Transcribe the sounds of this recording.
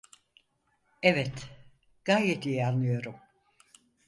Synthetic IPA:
evɛt̪ | ɡ̥ajet̪ijɛanlːɯjo̞ɾum

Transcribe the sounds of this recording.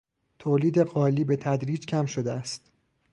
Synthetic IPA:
t̪ʰoːliːd̪e̞ɢɒːliːbe̞t̪ʰæd̪ɾiːd͡ʒcʰæmʃod̪eæst̪

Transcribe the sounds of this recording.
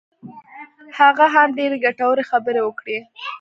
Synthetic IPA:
haɣaɦamɖeɾeɡaʈawəɾexabəɾewəkɽe

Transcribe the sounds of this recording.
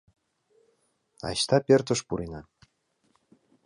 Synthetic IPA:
ɑ̰ɕt̪ɑpʲert̪ə̆ʃpuɾinɑ

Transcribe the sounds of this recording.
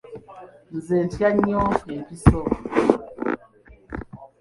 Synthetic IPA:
n̩zentjaɲɔjepisɔ

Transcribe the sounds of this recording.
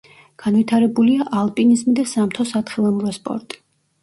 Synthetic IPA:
ɡ̥anvit̪ʰaɾɛbuliaʔalˠpʼinizmid̪asamt̪ʰɔsat̪χɛlˠamuɾɔspʼɔ̰ɾt̪ʼi̥

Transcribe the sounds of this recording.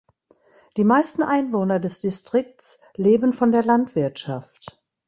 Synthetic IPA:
d̥iːmaɪstn̩ʔaɪnvoːnɐdɛsd̥istʁ̥ɪk̚tt͡s | leːbənfɔndeːɐlantv̥ɪɐtʃaft

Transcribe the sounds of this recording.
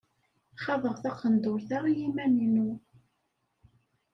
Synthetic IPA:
χɑðˤəʁθɑqːənd̪ʊɾθajimæninu

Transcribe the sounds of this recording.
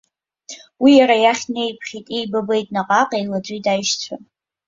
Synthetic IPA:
wijaɾajaχʲnejpʰχʲitʼejbabe̞jtʼnaqʼaqʼajlat͡ʃʷʼitʼajʃt͡sʷʰa

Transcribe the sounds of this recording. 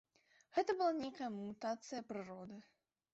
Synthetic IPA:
ɣɛt̪ɐbɨlˠanʲejkɐjɐmut̪at̪sɨjɐpɾɨɾɔd̪ɨ

